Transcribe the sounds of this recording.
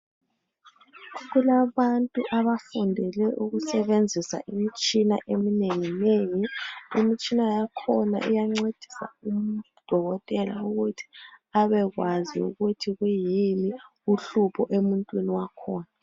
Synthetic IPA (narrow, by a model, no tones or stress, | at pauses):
ɣulaβantʼuʔaβafundʱɛlɛʔuɣusɛβend͡zʱisa̰ʔimit͡ʃʼina̰ʔemineŋineŋiimit͡ʃʼinajakʰɔna̰ʔḭjaŋ͡ǀed̥ʱi̥sa̰um̩ | d̥ʱɔɣɔtʼɛla̰uɣutʰi̥aβɛɣwazḭṵɣutʰiɣwujini | uɬupʰɔʔemuntʼwiniwakʰɔːna